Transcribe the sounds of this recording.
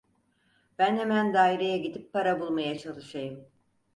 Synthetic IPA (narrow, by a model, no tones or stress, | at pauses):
b̥ænhemænd̪aːiɾejaɟid̪ipʰːaɾabulˠmajat͡ʃʰalˠɯʃajɯm